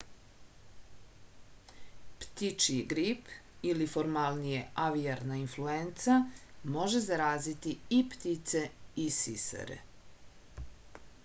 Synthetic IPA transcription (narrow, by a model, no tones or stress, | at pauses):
pt̪it͡ʃiiɡɾipilifoɾmalˠnijeʔaʋiaɾnainfluent̪samo̞ʒe̞zaɾaːzit̪iipt̪it̪se̞isisa̰ɾḛ